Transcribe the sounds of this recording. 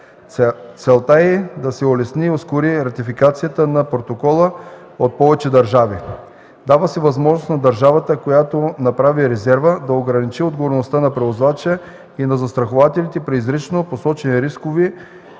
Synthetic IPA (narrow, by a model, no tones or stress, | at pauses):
t̪sɛlˠt̪aɛd̪ɐsɛolɛsnioskoɾiɾɐt̪ifikat̪sijət̪ənɐpɾot̪okɔlˠə | ot̪̚pɔvɛt͡ʃɛd̪ɐɾʒavi | d̪avəsɛvɐzmɔʒnosnɐd̪ɐɾʒavət̪əkojat̪onɐpɾaviɾɛzɛɾvəd̪ɐoɡɾɐnit͡ʃiod̪ɡovoɾnost̪anɐpɾɛvozvat͡ʃɛ | inɐzɐst̪ɾɐxovat̪ɛlit̪ɛpɾiizɾit͡ʃnoposɔt͡ʃɛniɾiskovi